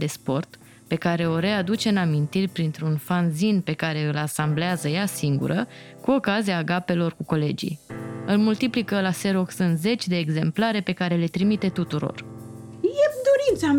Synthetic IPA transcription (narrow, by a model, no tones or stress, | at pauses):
d̪e̞spo̞rt̪ | pe̞kaɾe̞o̞ɾe̞ad̪ut͡ʃe̞ɨnamint̪irʲpɾint̪ɾunfanzinpe̞kaɾe̞ɨlasambleazəjasiŋɡṵɾəkuo̞kaziaɡape̞lo̞rkuko̞le̞d͡ʒḭjɨlmult̪iplikəlase̞ɾoksɨnze̞t͡ʃʲd̪e̞ːɡze̞mplaɾe̞pe̞kaɾe̞le̞t̪ɾimit̪e̞t̪ut̪uɾo̰r | jed̪oɾint̪sa